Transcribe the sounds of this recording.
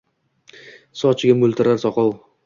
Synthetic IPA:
sɒt͡ʃʰɪɡʲamɵlˠt̪ʰɪɾaɾsɒqɒw

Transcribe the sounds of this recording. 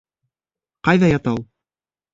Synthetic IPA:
qɑjðɑjɑt̪ɑw

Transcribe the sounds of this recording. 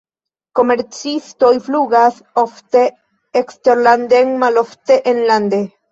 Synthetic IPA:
ko̞meɾt͡sist̪ojfluɣas | oft̪e | ekst̪eɾland̪eŋmaloft̪eʔenland̪e

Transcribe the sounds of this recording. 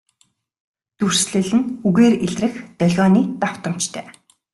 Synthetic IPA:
t̪ur̥sɮɘ̆ɮɘ̆nuɣeːreɮrɘ̆xt̪œɮʲɣɔːniːt̪aw̥t̪ə̆m̥t͡ɕt̪ʰœː

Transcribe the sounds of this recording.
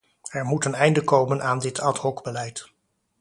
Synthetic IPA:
ɛɹmutənɛjndəkowmənʔaːndɪtʰɑthɔɡbəlɛjt

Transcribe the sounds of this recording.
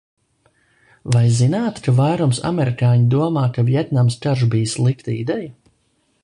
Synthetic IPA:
vajzinaːt̪kavajɾumsa̰mɛɾikaːɲid̪uɔmaːkavjɛt̪namst͡ʃaɾʒbijslˠikt̪aid̪ɛja

